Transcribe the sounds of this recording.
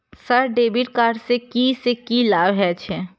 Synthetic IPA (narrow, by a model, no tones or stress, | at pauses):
səɾɖeːbiʈkaːʈsekisekilaːbɦɛt͡ʃʰɛ